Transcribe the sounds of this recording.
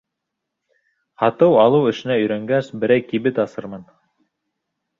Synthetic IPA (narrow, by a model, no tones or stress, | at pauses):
hɑt̪ɤwɑlˠɤwɘ̆ʃɘ̆næɵ̆jɾæŋɡæsbɘ̆ɾæjkiβɘt̪ɑsɤɾmɤn